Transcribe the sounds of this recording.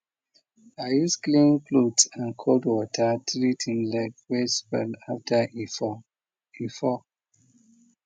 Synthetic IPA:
ajusklĩnklutãnkʰodwɔtʰətɹitʰĩnlɛkwespɛ̰laftʰə | ifɔ

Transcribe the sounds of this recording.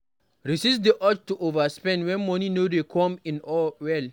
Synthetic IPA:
ɹisisdiʔɔt͡ʃtuʔovaspɛ̃ndwɛ̃nmɔninodekʰɔ̃mĩnɔwɛl

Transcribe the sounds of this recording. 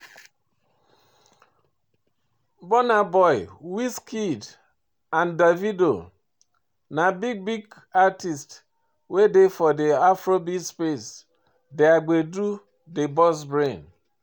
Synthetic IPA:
bɔnabɔɪwiskid | andavido | nabiɡ̚biɡ | atist | wedefɔdeafɾobispes | deaɡ͡bedu | debɔs̬bɾẽn

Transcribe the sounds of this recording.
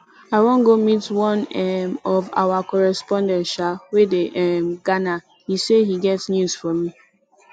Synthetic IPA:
aɪwɔ̃ŋɡomitwɔ̃nɛmɔva̰wakɔɹɛspɔ̃ndɛ̃nʃawedeʔɛmɡana | hisehiɡɛtsnjuz̥fɔmi

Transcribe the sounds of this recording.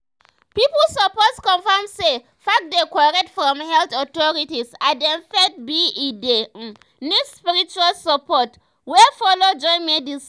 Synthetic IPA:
piplsəpɔskɔ̃nfamse | fak̚dekwɔɹɛtfɹɔ̃mhɛltɔtɔɹitisadɛ̃mfɛt̚biide | nispiɹit͡ʃualsapʰɔt | wɛfɔlod͡ʒɔ̃j̃nmɛdis

